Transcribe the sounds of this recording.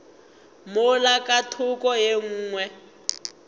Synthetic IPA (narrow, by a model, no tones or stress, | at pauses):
mʊlakʼatʰʊkʼɔjeŋ̩ːŋwɛ